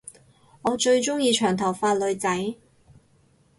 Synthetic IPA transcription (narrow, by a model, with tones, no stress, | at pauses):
ŋɔː˨˧t͡ʃɵ˧ɥt͡ʃʊ˥ŋjiː˧t͡ʃʰœː˨˩ŋt̪ʰɐ˨˩wfaː˧t̚lɵ˨˧ɥt͡sɐ˨˥j